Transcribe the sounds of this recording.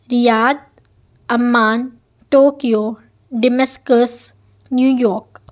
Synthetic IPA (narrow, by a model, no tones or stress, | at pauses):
ɾijaːd̪̚ | ɐmːaːn | ʈoːkijoː | ɖɪmeskəs | njuːjɔːɾk